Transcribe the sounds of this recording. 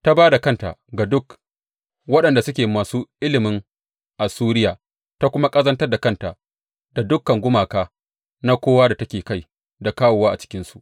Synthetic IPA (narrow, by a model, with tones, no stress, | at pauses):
ta˦baː˦da˨kɐ˦nta̰˨ɡa˨dʊ˦k | wɐ˦ɗɐ˨nda˨sʊ˦kʲeː˨maː˨suː˦ʔɪ˦lɪ˨mɪ˦ŋ | ʔa˨suː˦ɾɪ˦jaː˨ | ta˦kʷʊ˦ma˦kʼɐ˦zɐ˦ntɐ˦rda˨kɐ˦nta˨ | da˨dʊ˦kːɐ˨ŋɡʷʊ˦maː˨kaː˦ | na˦kʷoː˦waː˦da˨tɐ˦kʲeː˨ka˦˨j | da˨kaː˦woː˨waː˦ʔa˨t͡ʃɪ̥˦kʲɪ˦nsu˨ʔ